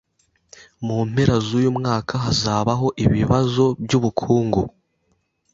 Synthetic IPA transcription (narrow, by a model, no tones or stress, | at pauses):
mum̥eɾazujumŋaːkʰaɦazaːβaɦo̞ʔiβiβazo̞bɟuβukʰuːŋɡu